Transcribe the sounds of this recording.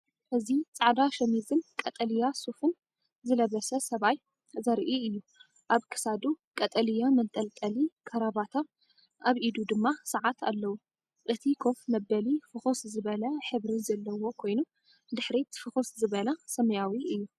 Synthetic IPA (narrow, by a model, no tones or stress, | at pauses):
ʔɨzit͡sʼaʕd̪aʃɐmizɨnkʼɐt̪ʼɐlijasufɨn | zɨlɐβɐsɐsɐβaj | zɐɾʔiɨjːu | ʔaβkʰɨ̥sad̪ukʼɐt̪ʼɐlijamɐt̪ʼɐlt̪ʼɐlikʰɐɾaβat̪ʰa | aβʔid̪ud̪ɨmːasɐʕat̪ʰa̰lːɐwu | ʔɨt̪ʰikʰo̞fmɐbːɐlifɨxoszɨβɐlɐħɨβɾizɐlːɐwo̞kʰo̞jnu | d̪ɨħɾit̪ʰfɨxoszɨβɐlasɐmɐjawiʔɨjːu